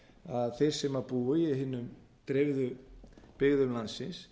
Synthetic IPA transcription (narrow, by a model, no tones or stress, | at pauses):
aðθejɾ̥sɛmapuːʏɛɦɪnːʏm | t̪ɾɪvðʏpɪɣðʏmlansɪns